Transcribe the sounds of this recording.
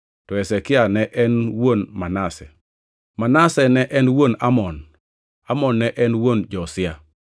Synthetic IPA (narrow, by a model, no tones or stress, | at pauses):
tɔɛsɛkɪanɛʔɛnwonmanasɛ | manasɛnɛʔɛnwonamɔn | amɔnːɛʔɛnwond͡ʒɔsɪa